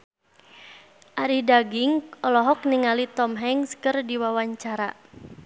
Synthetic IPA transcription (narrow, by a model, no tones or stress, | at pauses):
ʔaɾihdaɡiŋʔɔlɔɦɔk̚niŋalit̪ɔmɦɛŋskɨrdiwawaɲt͡ʃaɾa